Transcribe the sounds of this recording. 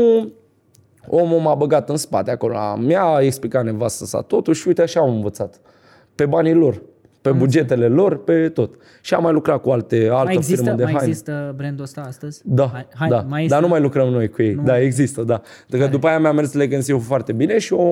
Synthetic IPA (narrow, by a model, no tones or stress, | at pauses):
u | omumabəɡat̪ɨnspa̰t̪eako̞lo̰a̰mjaeksplikat̪ne̞vast̪əsa̰t̪o̞t̪uʃujt̪eaʃamɨnvət̪sat̪ | pe̞banilo̞r | pe̞bud͡ʒe̞t̪e̞le̞lo̞rpe̞t̪o̞t̪ | ʃia̰mːajlukɾat̪̚kualt̪ealt̪əiɾməd̪eɦajnisəbɾend̪ost̪ast̪əz̥ʲd̪ad̪ad̪anumajlukɾəmno̞jkuje̞jd̪aeɡzist̪əd̪a | enɾukəd̪upajejamjame̞rsleɡɨnsiufoart̪e̞bine̞ʃio